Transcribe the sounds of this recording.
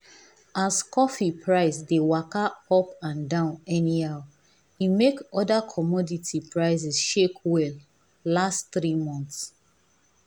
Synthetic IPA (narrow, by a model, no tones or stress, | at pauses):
askɔfipʰɹaɪsdewakaɔpãndãʊ̃nɛnia | imekɔdakʰɔmɔditʰipʰɹaɪzɛsʃekwɛl | lastθɾimɔ̃nθs